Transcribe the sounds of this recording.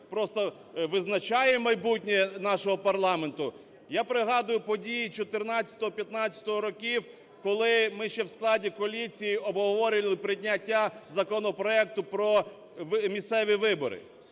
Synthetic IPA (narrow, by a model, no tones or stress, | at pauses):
pɾɔst̪ɔ | ʋɪznɐt͡ʃɑjɛmɐjbutʲnʲɛnɑʃɔɦɔpɐrlˠɑment̪ʊ | japɾɪɦɑd̪ʊjʊpɔdʲijit͡ʃɔt̪ɪrnɑt͡st͡sʲɐt̪ɔɦɔpʲjɐt̪nɑt͡st͡sʲɐ̥t̪ɔɦɔɾɔkʲiw | kɔlˠɪmɪʃt͡ʃɛwsklˠɑdʲikɔlʲit͡sʲijiɔbɦɔʋɔɾʲɪlˠɪpɾɪdʲnʲɐtʲːazɐkɔnɔpɾɔɛk̚t̪ʊpɾɔ | ʋmʲist̪sɛʋʲiʋɪbɔ̰ɾɪ̰